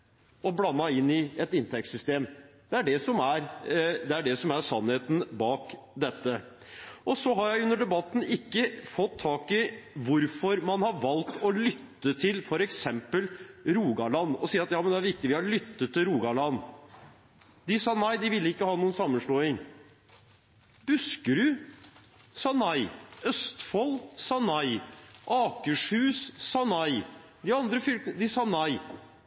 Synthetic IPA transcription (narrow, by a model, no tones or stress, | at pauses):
ɔblɑnːɑɪnːɪɛt̪ɪnt̪ʰɛk̚t̪sʏst̪eːmd̪̥ɛæɖɛsɔmæɾd̪ɛæɖɛsɔmæɾʂɑnːheːt̪n̩bɑːk | d̪ɛt̪ːə | ɔsɔɦɑɾjæɪʉnːəɖɛbɑt̪ːn̩ɪkːəfɔt̪ʰːɑːkɪʋʊɾfɔɾmɑnhɑʋɑlt̪ɔlʏt̪ːət̪ʰɪlfɔɾɛksɛmpəlɾuːɡɑɭɑnːɔsiːɾɑt̪jɑːmənd̪ɛæɾʋɪk̚t̪ɪʋɪhɑɭʏt̪ːət̪ʰːɪɾuːɡɑɭɑn | d̪ɪsɑnɑɪd̪ɪʋɪlːəɪkːəhɑːnuːənsɑmːənʂɭoːɪŋ | b̥ʉskəɾʉ | sɑnɑɪœst̪fɔlsɑnɑɪʔɑːkəʂhʉːssɑnɑɪ | d̪ɪɑnd̪ɾəfʏlkənəd̪ɪsɑnɑɪ